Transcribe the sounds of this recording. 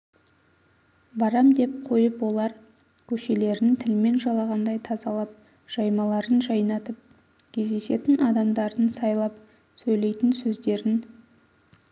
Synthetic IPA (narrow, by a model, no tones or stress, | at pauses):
bɑɾɑmd̪e̞p̚qʰo̞jəpwo̞lˠɑɾ | kʲʰɵʃe̞le̞ɾɪnt̪ʰɪlme̞nʒɑlˠɑʁɑnd̪ɑjt̪ʰɑzɑlˠɑp̚ | ʒ̥ɑjmɑlˠɑɾənʒɑjnɑt̪əp̚ | kʲʰe̞zd̪e̞se̞t̪ɪnɑd̪ɑmd̪ɑɾənsɑjlˠɑp̚ | sɵjle̞jt̪ɪnsɵzd̪e̞ɾɪn